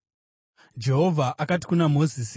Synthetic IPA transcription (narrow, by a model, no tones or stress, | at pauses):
d͡ʒe̞ɦo̞vʱaʔakati̥kunamo̞zis